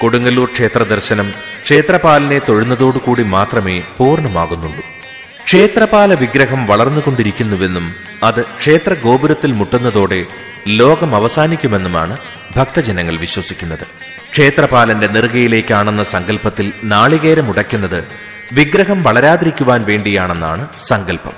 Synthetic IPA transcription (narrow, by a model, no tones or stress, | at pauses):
koɽuŋɡɐluːrkʂe̞ːt̪rɐd̪ɐrɕɐnɐm | kʂe̞ːt̪rɐpaːlɐne̞t̪oɻunːɐðo̞ːɽɨkuːɽimaːt̪rɐme̞̰ːpuːrɳɐmaːɣunːuɳɖu | kʂe̞ːt̪rɐpaːlɐʋiɡɾɐɦɐmʋɐɭɐrnːuko̞ɳɖiɾikʲːunːuʋe̞nːum | ɐðɨkʂe̞ːt̪rɐɡo̞ːbuɾɐt̪ːilmuʈːunːɐðo̞ːɽe̞ | lo̞ːɡɐmɐʋɐsaːnikʲːume̞nːuma̰ːɳɨ | bʱɐk̚t̪ɐd͡ʑɐnɐŋːɐɭʋiɕwɐsikʲːunːɐðɨ | kʂe̞ːt̪rɐpaːlɐnde̞nirɡɐjile̞ːkʲːaːɳenːɐsɐŋɡɐlpɐt̪ːilnaːɭiɣeːɾɐmuɽɐkʲːunːɐðɨ | ʋiɡɾɐɦɐmʋɐɭɐɾaːðiɾikʲːuʋaːnʋe̞ːɳɖijaːɳe̞nːa̰ːɳɨsɐŋɡɐlpɐ̰m